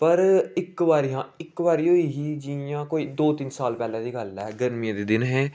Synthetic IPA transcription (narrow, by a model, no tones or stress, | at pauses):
pəɾɪkʋaːɾiːãːɪkʋaːɾiːɦoːiːɦiːd͡ʒiãːkoːiːd̪oːt̪ɪnsaːlpɛːlãːd̪iːɡəlɦɛːɡəɾmiãːd̪eːd̪ɪnɦɛ̃ː